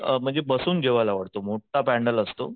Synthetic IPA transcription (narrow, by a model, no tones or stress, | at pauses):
əm̤əɳd͡zebəsuːnd͡ʑeʋalaʋəɽt̪omoʈʰapæɳɖələst̪o̰